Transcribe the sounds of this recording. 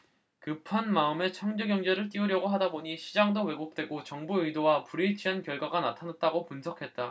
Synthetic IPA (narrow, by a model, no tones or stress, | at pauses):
kɯpʰanmaɯme̞t͡ɕʰʌŋd͡ʑʌɡjʌŋd͡ʑe̞ɾɯɭt͈iɯɾjʌɡoɦadaboɲiɕʰid͡ʑaŋdowe̞ɡok̚t͈we̞ɡot͡ɕʌŋbuɯjdowapuɾit͡ɕʰiɦankjʌɭɡwaɡanatʰanat̚t͈aɡopunsʰʌkʰe̞t̚t͈a